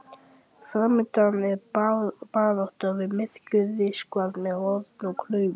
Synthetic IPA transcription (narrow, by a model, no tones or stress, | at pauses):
fɾaːmːɪt̪anɛɾpaːðɔht̪avɪmɪð̥cʏððɪskvalmɛðɔɾt̪nɔɣkʰlœːɥvʏ